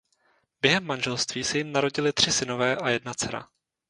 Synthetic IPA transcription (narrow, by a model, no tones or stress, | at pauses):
bjɛɦɛmːanʒɛlst̪viːsɛjɪmnaɾo̞ɟɪlɪt̪r̥ɪsɪno̞vɛːʔajɛdnat͡sɛɾa̰